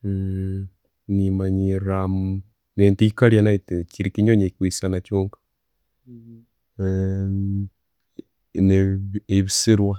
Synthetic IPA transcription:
nimaɲiɾam | nentikaɾjanaitt͡ʃiɾikiɲoɲeikwisanat͡ʃoŋɡḁ | neeβisiɾwa

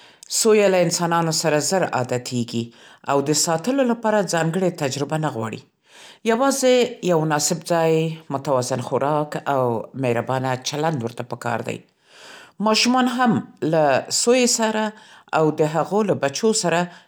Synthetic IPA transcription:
sojalaɪnsɑnɑnosaɾazəɾɑ̰d̪at̪ʰeɡiawd̪əsɑt̪əlolapɑɾad͡zɑŋɡəɽet̪ad͡ʒɾɪbanaɣwɑ̰ɽḭ | jawɑzejawnɑsɪbd͡zɑjmʊt̪awɑzɪnxʊɾʔɑkawmeɾabɑnat͡ʃaland̪wəɾt̪apəkɑ̰ɾd̪a̰j | mɑʃumɑnɦamlasojesaɾaawd̪əɦaɣolabat͡ʃosaɾa

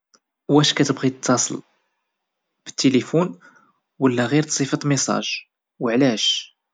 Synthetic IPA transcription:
wæʃkæt̪əbʁit̪ʰːɑsˤəl | b̥ə̥t̪ːilifun | wəlːæɣiɾt̪sˤifət̪misˤɑ̰ʒ | wəʕlæʃ

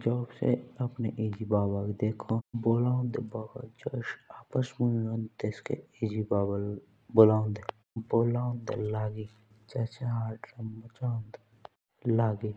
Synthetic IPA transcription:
d͡ʒɔːbsḛɐpneʔiːd͡ʒibaːbakd̪eːkʰõboːlaːʊ̃nd̪ebaːɡa̰d͡ʒoːʃaːpəsmunõnt̪eskḛiːd͡ʒibaːbəl | bolaːʊ̃nd̪e | boːlaːʊ̃nd̪elaːɡi | t͡ʃɛːt͡ʃeɦaːɾʈɾəmːət͡ʃaːʊ̃nd̪ | laːɡi

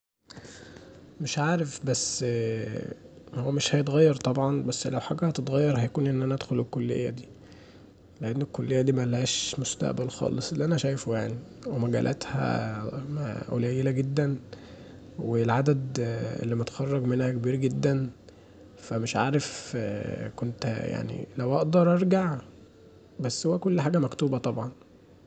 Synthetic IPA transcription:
meʃʕaːɾefbæsː | howːæmeʃhæjet̪ɣæjːɑɾˤt̪ˤɑbʕɑnbæsːlæwħaɡæhæt̪et̪ɣæjːɑɾˤhæjækuːnʔenːʔænæʔæd̪xolelkːolːḛjːæ̰d̪iː | leʔenːekːolːejːæd̪iːmælhæːʃmost̪æ̰ʔbælxɑ̰ːlesˤʔelːiʔænæʃæjfojaʕniwemæɡæ̰ːlʔæ̰t̪hæ̰mæ̰ʔo̰læːjːelæɡed̪ːæn | welʕad̪æd̪ʔḛlːimæt̪xɑrˤːɑɡmenhækebiːɾɡed̪ːæn | fæmeʃʕaːɾef | kont̪hja̰ʕnḭlæwʔɑʔd̪ɑɾˤʔɑɾˤɡaʕ | bæsːhowːækolːħaːɡæmækt̪uːbæt̪ˤɑbʕɑn

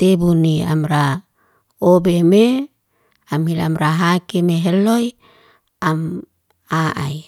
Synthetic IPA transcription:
t̪ebunia̰mɾa | obeme | amhila̰mɾaɦakemeɦeloj | am | aʔa̰j

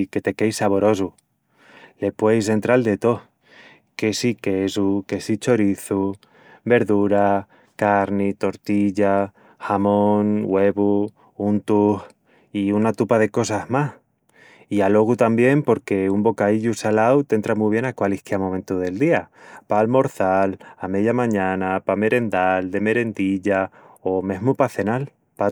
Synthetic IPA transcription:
ke̞t̪e̞ke̞jsaβo̞ɾo̞s̬u | le̞pwe̞js̬e̞nt̪ɾald̪e̞t̪o̞ | ke̞sikeesuke̞sit͡ʃo̞ɾiθu | be̞ɾðuɾa | kaɾnit̪o̞ɾt̪iʎa | xamõŋɡwe̞βu | unt̪uh | iunat̪upaðe̞ko̞saɦmah | ialo̞ɣ̞ut̪ambje̞mpo̞ɾke̞umbo̞kaiʎusalawt̪e̞nt̪ɾamuiβ̞je̞nakwalihkeamõ̞ment̪uðe̞ld̪iapalmo̞ɾθalame̞ðjamãɲãnapame̞ɾe̞nd̪ald̪e̞me̞ɾe̞nd̪iʎao̞me̞ɦmupaθe̞nal | pa

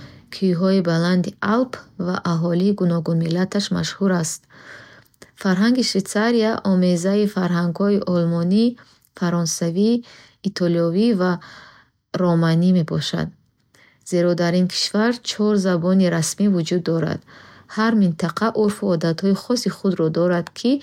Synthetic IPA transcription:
kʰuɦɔibaland̪iʔalpʰva̰ʔaɦɔliːɡunɔɡunmilːat̪ʰaʃma̰ʃhuɾast̪ | faɾɦaŋɡiʃvet̪t͡saɾiaʔɔmezaifaɾɦaŋɡhɔiʔɔlmɔni | faɾɔnsaviː | t̪ʰɔliɔviva | ɾɔmanime̞bɔʃa̰d̪ | ze̞ɾɔd̪aɾinkʰi̥ʃvaɾt͡ʃʰɔɾzabɔniɾasmivud͡ʒud̪ːɔɾa̰d̪̥haɾmint̪ʰaqʰaʔuɾfuɔd̪at̪hɔiχɔsiχud̪ɾɔd̪ɔɾad̪kʰi

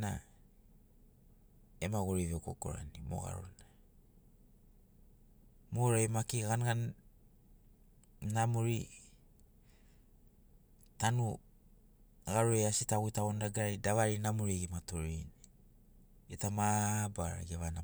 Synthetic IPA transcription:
na̰ | emaɡoɾiveko̞̰ko̞̰ɾa̰nimo̞̰ɣa̰ɾo̰na | moɾajmakiɡanɡan | namuɾi | tanu | ɡaɾoejasitaɡuitaβondaɡaɾaɾidaβaɾinamuɾiɡimatoɾini | etamabaɾa̰ɡeβana

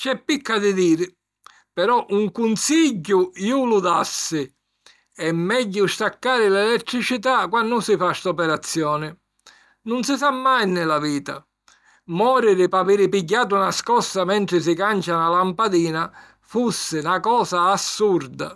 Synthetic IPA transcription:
t͡ʃɛpːikːad̪ɪd̪iːɾɪ | pɛɾɔʔuŋkunsiɟːʊulud̪asːɪ | ɛmːɛɟːʊst̪akːaːɾɪlɛlɛt̪ːɾit͡ʃit̪̬akːwanːʊsɪfaʃt̪ɔpɛɾat̪sːjɔːnɪ | nʊnsɪsamːajnɪlaviːt̪a̰ | mɔːɾɪɾɪpaviːɾɪpiɟːaːt̪̬unaskɔsːamɛnt̪ɾɪs̬ɪkant͡ʃanalampad̪iːna | fusːɪnakɔːsaːsːuɾd̪a̰

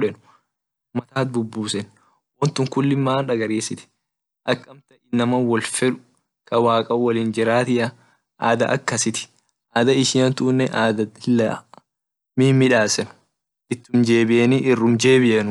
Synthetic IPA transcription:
ᶑɛnʊ | mɐt̪aːt̪̚bʊbːuːsɛn | wɔnt̪ʊŋkʊlːɪmːaːnᶑɐɡɐɾeːsɪt̪ɪ̥ | ʔɐkʼːɐmt̪ɐʔɪnːɐmɐwɔlfɛᶑʊ̥ | kʰɐwaːkʼɐʊwɐliːnd͡ʒɪɾaːt̪ɪʔɐ | ʔa̰ːd̪ɐʔɐ̰kːɐsɪt̪ɪ̥ | ʔaːd̪ɐɪʃɪjɐnt̪ʊːnːɛʔaːd̪ɐɪlːɐ̰ | miːmːɪᶑaːsɛn | ʔɪt̪ːʊnd͡ʒe̞ːbɪʔɛniʔɪrːʊmd͡ʒe̞ːbɪʔɛnʊ

